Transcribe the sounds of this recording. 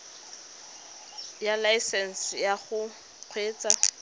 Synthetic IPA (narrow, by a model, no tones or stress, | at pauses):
jalaisɛnsɪjaχʊ | q͡χʰweːt͡sʼa